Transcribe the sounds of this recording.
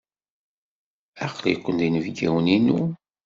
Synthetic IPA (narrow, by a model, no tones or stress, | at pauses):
æqːlḭqːənd̪inəvɡæwəninu